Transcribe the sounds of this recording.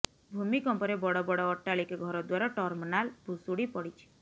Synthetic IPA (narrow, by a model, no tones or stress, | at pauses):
bʱumikɔmpɔɾebɔɽɔbɔɽɔːʈːaɭikɡʱɔɾɔd̪waɾɔʈɔɾmɔnalbʱusuɽipɔɽit͡ʃʰi̥